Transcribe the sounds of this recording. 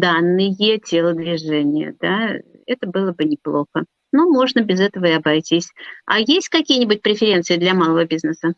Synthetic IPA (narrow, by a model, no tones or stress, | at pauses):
d̪anːɨjətʲelˠəd̪vʲɪʐɛnʲɪjə̰d̪a | ɛt̪əbɨlˠəbɨnʲɪplˠo̞xə | nomo̞ʐnəbʲɪzɛt̪əvəɪɐbajtʲisʲa̰jesʲtʲkɐkʲijənʲɪbʊt̚ʲpɾʲɪfʲɪɾʲent̪sɨɪd̪lʲɐmalˠəvəbʲiznəsə